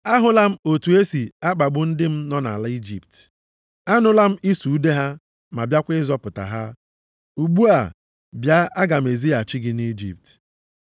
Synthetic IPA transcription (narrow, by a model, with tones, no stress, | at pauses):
a˦ɦʊ˨la˦m̩˦o˨tu˨e˦si˨a˦k͡pa˨ɡ͡bʊ˦n̩˦dɪ˦m̩˦nɔ˦na̰˨la˦i˦d͡ʒḭ˨pt | a˦nʊ˦la˦m̩˦i˦su˨u˦de˦ɦa˦ | ma˨bja˦kʷɪ˦zɔ˦pʊ˨ta̰˨ɦa˦ | u˨ɡ͡bu˦a˨ | bja˦a˦ɡa˨me˨zi˦a˨t͡ʃɪ˦ɡɪ˦ni˦d͡ʒḭ˨p̚t